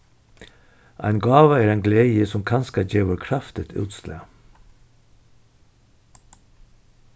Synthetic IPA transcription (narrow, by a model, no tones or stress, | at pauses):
ʔæ̰ɪnɡɑːʋəeːɾæɪnɡleːəsɔmkʰɑnskɑd͡ʒeːʋəɾkʰɾɑft̪ɪt̪ʰʉ̰ːt̪slḛː